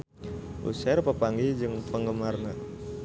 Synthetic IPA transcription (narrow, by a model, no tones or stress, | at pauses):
ʔṵsɛrpəpaŋɡid͡ʒɨŋpəŋɡəmarna